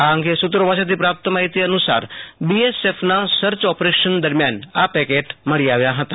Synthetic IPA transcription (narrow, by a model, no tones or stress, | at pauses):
aəŋɡesut̪ɾəʋaːʃad̪ipɾaːp̚t̪əmaɦit̪iɐnusa̰ːɾbiesepʰnasəɾt͡ʃɔpɾeʃənd̪əɾmjaːnapɛkeʈməɽiaʋjaɦət̪a